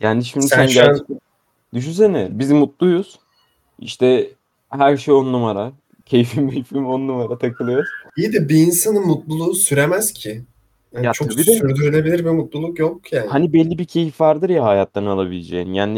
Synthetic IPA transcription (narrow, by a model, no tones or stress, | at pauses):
jaːnd̪iʃimiænɟæɾ | d̪yʃ̬ynsenɪbizmut̪̚lˠujuz̥ | ḭʃt̪ʰɛ | hæɾʃejonnumaɾa | cʰe̞jifimbijfimonːumaɾat̪ʰakʰɯlˠɯjoɾid̪ibiːnsanɯnmut̪lˠulˠusyɾemæz̥cʰɪ | jajat͡ʃʰobiɛyɾd̪yɾilʲe̞bilʲiɾbimut̪̚lˠulˠukjokjaːnhanibɛlʲːibicʰe̞jifvaɾd̪ɯɾjaɦajat̪lˠaɾɯnalˠabilʲed͡ʒejinjaːn